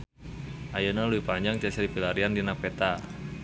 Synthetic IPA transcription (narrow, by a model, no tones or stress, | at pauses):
ʔajənaluipaɲd͡ʒaŋt͡ʃasɾipilaɾiandinapet̪a